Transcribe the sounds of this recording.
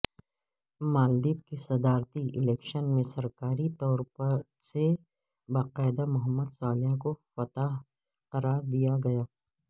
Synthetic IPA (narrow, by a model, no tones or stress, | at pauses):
maːld̪iːbkesɐd̪aːɾt̪iʔɪlɛːkʃənmẽsɐɾkaːɾit̪ɔːɾpɐɾ | se | baːqaːɪd̪amʊɦəmːəd̪saːlɦakofɐt̪aɦ | qɐɾaːɾd̪ijaɡɐjaː